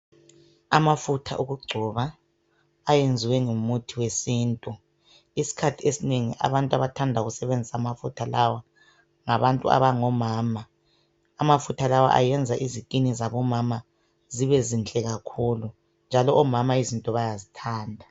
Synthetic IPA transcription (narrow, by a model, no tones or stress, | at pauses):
amafutʰa̰ʔuɣuɡ͡ǀʱɔβaː | jend͡zʱiwɛŋumutʰiwesiːntʼu | isi̥kʰatʰiesineŋiʔa̰βantʼaβatʰandʱaɣusɛβend͡zʱisamafutʰalawa | ŋaβantʼṵa̰βaŋɔmaːmaː | mafutʰalawa̰ʔa̰jɛnd͡zʱaʔizikʼinizaβɔmama | ziβɛzint͡ɬʼɛɣakʰuːlu | nd͡ʒʱalɔɔmamaizintʼɔβajazitʰaːndʱa